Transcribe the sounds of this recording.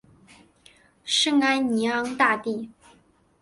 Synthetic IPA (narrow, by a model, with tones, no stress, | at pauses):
ʂɤ˥˧ŋa˥nni˧˥ɑ˥ŋt̪a˥˧t̪i˥˩